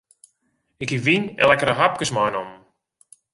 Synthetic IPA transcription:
ɪkiʋinɛ̰lɛkəɾəɦap̚kəsmajnɔm

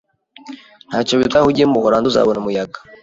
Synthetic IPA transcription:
n̥haːcoβitahuɟemmuhoɾanduza̰ːβonumujaɡḁ

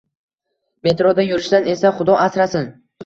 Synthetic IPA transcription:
me̞t̪ɾod̪ajʊɾɪʃsane̞saχʊd̪ɒʔasɾasɪn

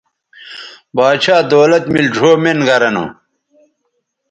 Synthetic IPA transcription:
baːt͡ɕʰaːd̪oːlɐt̪mild͡ʑʱoːmenɡɐɾɐnṵ

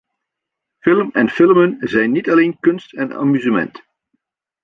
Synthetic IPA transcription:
fɪləmɛnfɪlmənzɛjnːitɑleːnkɵnstɛna̰myzəmɛ̰nt

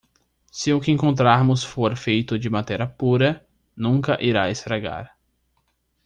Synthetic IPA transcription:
sɪʊkɪẽŋkõnt̪ɾaɾmʊsfoɾfejt̪ʊd͡ʒɪmat̪ɛɾɐpuɾɐ | nũkɐʔiɾaest̪ɾaɡa̰ɾ

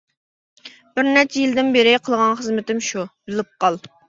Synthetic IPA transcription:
b̥ɪɾnɛɾt͡ʃʰɛjild̪ɪnbeɾɪqʰəlˠʁɑnχəzmɪt̪ɪmʃub̥ɪlɪp̚qɑlˠ

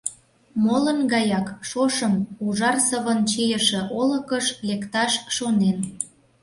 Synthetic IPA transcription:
molə̆nɡɑjɑkʃoʃəmuʒɑrsəβənt͡ɕijə̆ʃĕʔolə̆kəʃlekt̪ɑʃʃonen

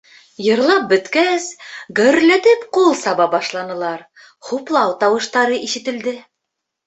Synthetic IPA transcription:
jɤ̆ɾlˠɑp̚bɵ̆t̪kæsɡɘ̆ɾlæt̪ɘpqulˠsɑβɑbɑʃlˠɑnɤ̆lˠɑɾ | χuplˠɑwt̪ɑwɤ̆ʃt̪ɑɾɤʔiʃɘ̆t̪ɘ̆ld̪ɘ

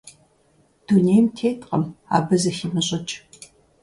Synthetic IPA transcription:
d̥uneːjmtʰeːtqʼɐma̰ːbɨzɐximɨɕʼɪt͡ʃʼ

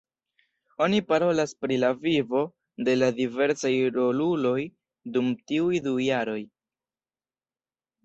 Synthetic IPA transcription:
o̞nipaɾo̞laspɾilavivo̞ | de̞ladive̞ɾsajɾo̞lulo̞j | dumtiujdujaɾo̞j

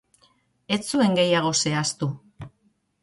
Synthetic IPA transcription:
e̞t͡sue̞ŋɡe̞jaɣ̞o̞se̞ast̪u

